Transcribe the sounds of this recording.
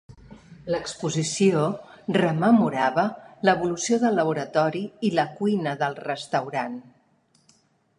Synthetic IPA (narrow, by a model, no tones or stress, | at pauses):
ləkspuzisiorəməmuɾaβələβulusioðəlːəβuɾət̪ɔɾiiləkujnəðəlˠrəst̪əwɾan